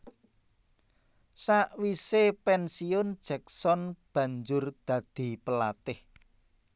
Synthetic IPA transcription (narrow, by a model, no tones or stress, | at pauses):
saʔwisepɛnsiʊnd̥ʒ̥ɛk̚sɔnb̥ä̤ɲd͡ʒʊrd̪̥ä̤d̪̥i̤pəla̰t̪ɪh